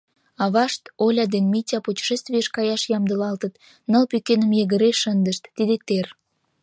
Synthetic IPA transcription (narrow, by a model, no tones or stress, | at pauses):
ɑβɑʃt̪olʲɑd̪enmitʲɑputʲi̥ʃest̪vijəʃkɑjɑʃjɑmd̪ə̆lɑlt̪ət̪ | nə̆lpykenə̆mjəɣə̆ɾeʃənd̪əʃt̪ːid̪ek̚t̪er